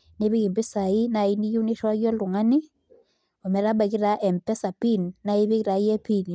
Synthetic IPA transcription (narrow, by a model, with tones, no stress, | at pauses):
ne˦bi˦kɪ˨mbi˦sa˨ɪ˦na˨ɪ˦ni˦ju˦ni˦ʃa˦ɡɔ˦lʊ˨ŋa˦ni˦ | ɔ˨mɛ˨ɾa˦ba˨kɪ˦ɾa˦ʔɛ˨mpɛ˦sa˨pi˦nːa˦i˦bi˦kɾa˨jɛ˦pi˦n˨